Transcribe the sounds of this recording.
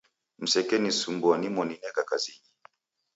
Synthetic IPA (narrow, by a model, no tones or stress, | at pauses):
m̩sɛkɛnisumbanimɔninɛkakaziɲi